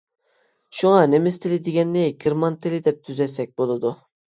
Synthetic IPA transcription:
ʃuŋɑnemɪst̪ʰɪlɪd̪eɡʲɛnːɪɡʲiɾmɑnt̪ʰɪlɪd̪ɛp̚t̪ʰyzɛsɛk̚ʲbolˠɨd̪u

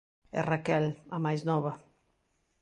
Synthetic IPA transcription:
ɛ̰rakɛlamajznɔβa

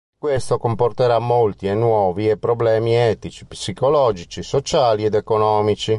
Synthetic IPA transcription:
kwest̪okomport̪eɾamːolt̪ienːwɔːviepːɾɔblɛːmiɛːt̪it͡ʃi̥psikolɔːd͡ʒit͡ʃisot͡ʃaːliɛd̪ekonɔːmit͡ʃi

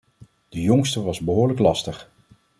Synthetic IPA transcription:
d̥əjɔŋstəʋɑzbəɦʊːɹləklɑstəχ

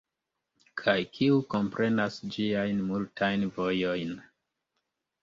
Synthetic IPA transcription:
kʰajkʰiuko̞mpɾʔe̞nasd͡ʒiajnmultʰajnvo̞jo̞jn

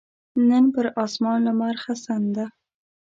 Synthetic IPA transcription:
nɪnbɪɾɒsmɒnlɪmaɾχasand̪a

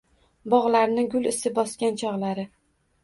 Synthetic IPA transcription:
bɒʁlaɾnɪɡʲʊlɪsɪbɒskʲant͡ʃʰɒʁlaɾɪ

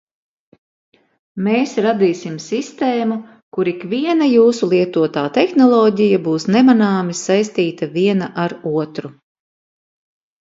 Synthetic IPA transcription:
meːsɾad̪iːsimsist̪eːmu | kuɾikviɛnajuːsulˠiɛt̪uɔt̪aːt̪exnɔlˠɔːɟijabuːsnɛmanaːmisajst̪iːt̪ɐviɛnaʔaɾuɔt̪ɾu

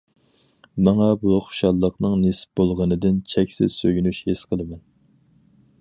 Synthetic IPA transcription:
mɑŋɑbuχoʊ̥ʃɑlˠːəqnɨŋnesp̚bolˠʁənɨd̪ɪnt͡ʃʰɛkʲsɪ̰z̥søjynyʃhesqʰəlˠɨmɛn

